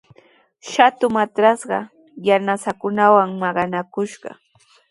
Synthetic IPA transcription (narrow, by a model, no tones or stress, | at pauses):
ʃat̪ʊmat̪ɾɑsɢɑ | janasakʊnawaŋmɑɢɑnakʊʃɢɑ̰